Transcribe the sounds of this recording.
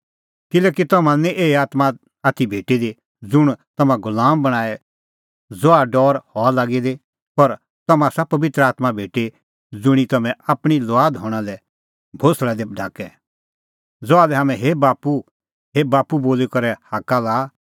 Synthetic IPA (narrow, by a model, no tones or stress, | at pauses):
kɪlɛːkit̪ɐmãnĩʔeːiaːt̪ma | at̪ʰibʱeːʈid̪i | d͡zʊɽ̃t̪ɐmãɡʊlaːmbɐɽ̃aːɛ | d͡zoaɖɔːɾhɔalaːɡid̪e | pɔɾ | t̪ɐmãsapɐʋɪt̪ɾəaːt̪mabʱeːʈe | d͡zʊɽ̃it̪ɐmɛ̃ʔaːpɽ̃ilɔaːd̪ɦɔːɽ̃ãlɛ | bʱoslɛd̪eɖʱa̰ːkɛ | d͡zoaːlɛɦaːmɛ̃ɦebaːpu | ɦebaːpuboːlikɐɾɛhaːkalaː